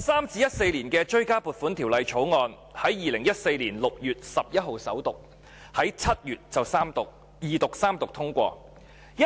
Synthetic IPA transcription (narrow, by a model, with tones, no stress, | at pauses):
saː˥mt͡siː˧jɐ˥t̚se˧jliː˨˩nkɛː˧t͡ʃɵ˥ɥkaː˥puː˨˩t̚fuː˨˥nt̪ʰiː˨˩wlɐ˨jt͡ʃʰo˨˥wŋɔː˧n | hɐ˨˥jːiː˨˧lɪ˨˩ŋjɐ˥t̚se˧jliː˨˩nlʊ˨k̚jyː˨t̚sɐ˨p̚jɐ˥t̚ɦo˨˩wsɐ̰˨˥wt̪ʊ˨k̚ | hɐ˨˥jt͡sʰɐ˥t̚jyː˨t̚t͡sɐ˨wsaː˥mt̪k̚ | jiː˨˧t̪ʊ˨k̚saː˥mt̪ʊ˨k̚t̪ʰʊ˥ŋkʷɔː˧ | jɐ˥